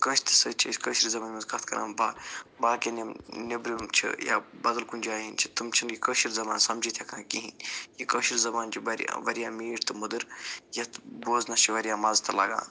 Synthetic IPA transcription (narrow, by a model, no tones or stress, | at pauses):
kə̃ːʃt̪ʰɨ̥sɐt͡ʃʰisʲkəʃiɾizɐbaːnmɐzkɐt̪ʰkɐ̰ɾã̰ːmbaːbaːkenimnibɾiumt͡ʃʰḭja̰ːbɐd̪ɐlkunʲd͡ʒaːɦint͡ʃʰi̥t̪ɨmt͡ʃʰinikəːʃiɾzɐbaːnsɐmd͡ʒit̪ʰjekãːkiɦĩnjikəːʃiɾzɐbaːnd͡ʒiʋɐɾja̰ʋɐɾijãːmiːʈʰt̪ɨmud̪ɨɾjɐt̪boːznɐst͡ʃʰiʋɐɾjaːmɐzt̪ʰɐlɐɡã̰ː